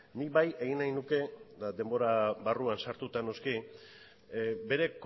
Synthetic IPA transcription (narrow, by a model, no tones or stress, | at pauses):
nibaje̞ɣ̞inajnuke̞d̪ad̪e̞mbo̞ɾaβaruansaɾt̪ut̪ano̞ski | be̞ɾe̞k